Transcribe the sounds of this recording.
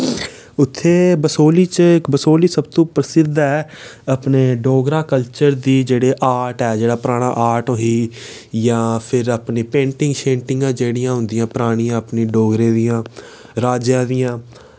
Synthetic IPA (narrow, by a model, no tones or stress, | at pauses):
ʊt̪ʰːeːbəsoːliːt͡ʃɪkbəsoːliːsəb̚t̪õːpɾəsɪd̪ɛː | əpneːɖoːɡɾaːkəlt͡ʃəɾd̪iːd͡ʒeːɽeːʔaːʈɛːd͡ʒeːɽaːpɾaːɽ̃a̰ːʔaːʈõːɦiː | jãːpʰɪɾapneːpẽːɳʈɪ̃ŋɡʃẽːɳʈɪŋɡãːd͡ʒeːɽijãːɦʊ̃nd̪ɪjãːpəɾaːɽ̃ĩːãːəpneːɖoːɡɾẽːd̪ijãː | ɾaːd͡ʒjãːd̪ijãː